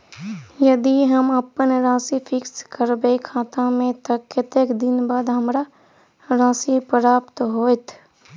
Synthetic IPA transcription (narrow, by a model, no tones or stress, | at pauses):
jɐd̪iɦəməpənɾãːsipʰɪkskəɾbekʰaːt̪ãmẽt̪əkːɪt̪eːkd̪ɪnbaːd̪ɦəmɾa | ɾãːsipəɾaːpt̪ɦoːɪt̪ʰ